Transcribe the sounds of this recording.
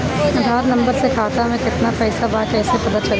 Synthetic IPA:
ɐd̪ʱaːɾnɐ̃mbəɾsekʰaːt̪amẽkɪt̪napɛːsabaːkɛːsepɐd̪əɾt͡ʃɐl

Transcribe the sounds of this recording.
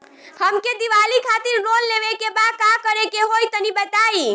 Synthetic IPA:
həmked̪iʋalikʰat̪iɾːolːeʋekebakakəɾekeɦojt̪ənibət̪ai

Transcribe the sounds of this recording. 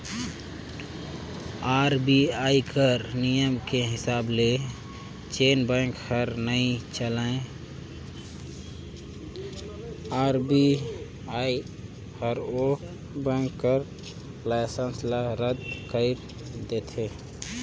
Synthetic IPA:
aːɾbiaikəɾnijəmkeɦɪsaːble | t͡ʃenbə̃ŋkhəɾnəit͡ʃəlae | aɾbi | ai | həɾo | bə̃ŋkːəɾ | lajsə̃nslaɾəd̪kəɪɾ | d̪et̪ʰe

